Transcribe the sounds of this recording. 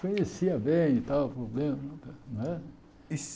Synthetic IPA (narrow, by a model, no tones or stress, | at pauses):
kõɲesiɐbẽj̃it̪awpɾoblẽmɐt̪nɛ | is